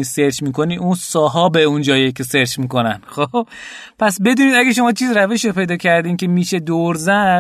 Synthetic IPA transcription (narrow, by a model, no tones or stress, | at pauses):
iːse̞ɾt͡ʃmiːkʰo̞niːʔunsɒːɦɒːbeund͡ʒɒːjecʲʰe̞se̞ɾt͡ʃmiːko̞nænxob | pʰæsbe̞d̪uːniːd̪æɡeʃ̬o̞mɒːt͡ʃʰiːzɾæveʃɾopʰe̞jd̪ɒːcʰæɾd̪iːkʲʰe̞miːʃe̞d̪oɾzæ